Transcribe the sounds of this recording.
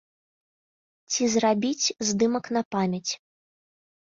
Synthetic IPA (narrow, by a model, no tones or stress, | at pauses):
t͡sʲizrabʲit͡sʲzd̪ɨmɐknɐpamʲɐt͡sʲ